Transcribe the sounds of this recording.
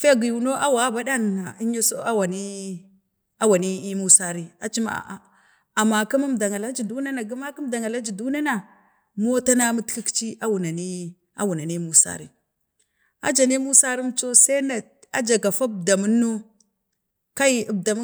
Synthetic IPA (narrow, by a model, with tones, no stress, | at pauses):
fe˦ɡi˨ju˨no˦ʔa˦wa˨˦ba˦da˦n˨a˨i˦ɲo˦so˦a˦wa˨ni˦ | a˦wa˨ni˦i˦mu˦sa˦ɾi˦a˨t͡ʃi˦ma̰˨ | a˨ma˨ki˦mi˦mda˨ŋa˨la˦d͡ʒi˨du˦n˦a˦na˨ɡi˦ma˦ki˦m˦da˨ŋa˨la˦d͡ʒi˨du˦na˦na˨ | mo˦ta˦na˦mu˦ti˦kt͡ʃi˦a˦wu˨na˨ni˦ | a̰˨wu˨na˨ni˦mu˦sa̰˦ɾḭ˨ | a̰˨d͡ʒa˨ne˦mu˦sa˦ɾi˦m˦t͡ʃo˦sa˦na˨ | a˦d͡ʒa˨ɡa˨fa˦b̚da˨mu˦nːo˦ | ka˦ji˦i˨b̚da˨m˦